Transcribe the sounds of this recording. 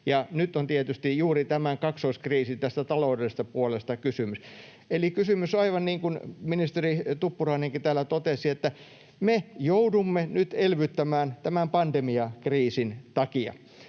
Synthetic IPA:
jɑnyt̪ːont̪iet̪yst̪ijjuːrit̪æmæŋkɑksoiskriːsit̪æst̪æt̪ɑloudeest̪ɑpuolest̪ɑkysymys | elikysymysoɑiʋɑnniːŋkunminist̪erit̪upːurɑineŋkit̪æːlːæt̪ot̪esiet̪ːæ | mejoudumːenyt̪elʋyt̪ːæmæːnt̪æmæmpɑnd̪emiɑkriːsint̪ɑkiɑ̰

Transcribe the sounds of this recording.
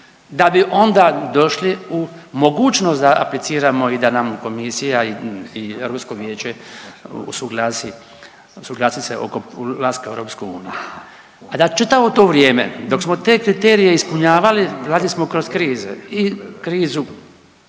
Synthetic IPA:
d̪abiʔo̞nd̪ad̪o̞ʃliumo̞ɡuːt͡ʃnosd̪aʔa̰plit̪siːɾamo̞id̪anamko̞misijaiieɾopskoʋjeːt͡ʃe | ṵsuɡlaːsi | usuɡlˠaːsiseʔo̰kolaːskaeɾo̞ːpskouːnije | ad̪at͡ʃit̪aʋot̪o̞ːʋɾjeːmḛd̪o̞ksmot̪e̞ːkɾit̪eːɾije̞ispuɲaːʋaliɾaːd̪lismo̞kɾo̞skɾiːzḛikɾiːzu

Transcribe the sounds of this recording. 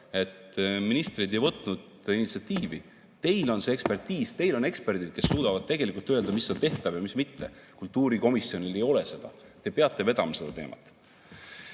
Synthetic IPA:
e̞t̪minist̪rid̪e̞jvɤt̪ːˑnud̪̥ | init̪siɑt̪ːˑiːvi | t̪e̞jlo̞nseekspe̞rt̪iːst̪e̞jlo̞ne̞kspe̞rd̪id̪̥̚ke̞sːuːd̪̥ɑvɑd̪̥̚t̪e̞ɡ̥elikult̪øeld̪̥ɑmisːelt̪e̞ht̪ɑvjɑmismit̪ːekult̪ːˑuːɾiko̞misjo̞nile̞jo̞le̞se̞d̪̥ɑ̰t̪e̞peɑt̪ːˑe̞ve̞d̪ɑmɑse̞d̪̥ɑt̪e̞̰ːmʔɑ̰t̪ːˑ

